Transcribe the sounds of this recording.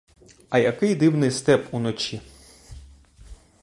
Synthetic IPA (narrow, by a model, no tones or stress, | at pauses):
ɐjɐkɪjd̪ɪwnɪjst̪ɛpunɔt͡ʃʲi